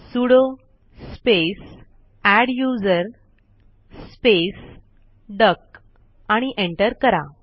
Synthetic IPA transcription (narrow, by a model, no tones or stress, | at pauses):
suɽo | spes | æɽjud͡zəɾ | spes | ɖək | aɽ̃iʔẽɳʈəɾkəɾa